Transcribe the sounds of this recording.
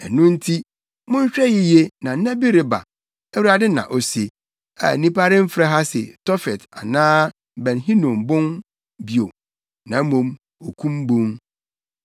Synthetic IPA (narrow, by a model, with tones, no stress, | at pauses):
ɛ˨nʊ̃˦n̩˦tʰi˦ | mʊ̃˦ɲ̩˦ɕᶣɾɛ˦jɪ˦je˦nã˨˦nɛ̃˦bi˦ɾɪ˦ba̰˨ | æ˦wu˦a˦dɪ˦nã̰˨ʔɔ˨si˨e˨ | a̰˨nĩ˦pʰa˦ɾɪ̃˦m̩˦fɾɛ˦ɦa˦sɪ˨tɔ˦fɛ˨ta̰˨nãː˦ | bɛ̃˨nɦĩ˦nɔ̃˨mbʊ̃˦n | bi˨o˨ | nã˨˦mõ˨m | o˨kʰũ˦m˦bõ˦m